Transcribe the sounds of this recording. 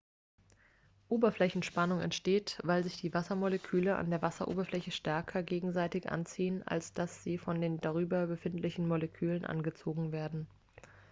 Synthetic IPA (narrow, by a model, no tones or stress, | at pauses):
ʔoːbɐflɛçn̩ʃpanʊŋɛ̰ntʃteːtv̥aɪlzɪçd̥iːvasɐmɔlɛkʰyːləʔa̰ndeːɐvasɐʔo̰ːbɐflɛçəʃtɛɐkʰɐɡeːɡŋ̩zaɪtɪçʔa̰nt͡siːəna̰lsd̥asz̥iːfɔndeːndaʁ̞yːbɐbəfɪntlɪçn̩mɔlɛkʰyːlənʔa̰nɡət͡soːɡŋ̩veːɐdn̩